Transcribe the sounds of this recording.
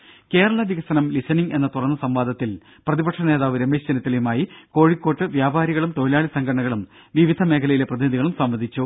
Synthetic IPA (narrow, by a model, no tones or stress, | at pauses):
ke̞ːɾɐɭɐʋiɣɐsɐnɐmlisɐniŋɡe̞nːɐt̪urɐnːɐsɐmʋaːd̪ʱɐt̪ːil | prɐðibɐʈʂɐne̞ːðaːʋɨɾemeːɕt͡ɕɐnɐt̪ːilejumaːjiko̞ːɻikːo̞ːʈːɨʋjaːbaːɾiɣɐɭumt̪o̞ːlaːɭisɐŋɡʰʱɐɐɳɐɣɐɭum | ʋiʋid̪ʱɐme̞ːkʰɐlɐjile̞prɐðiniðiɣɐɭumsɐmʋɐd̪ʱit͡ɕːu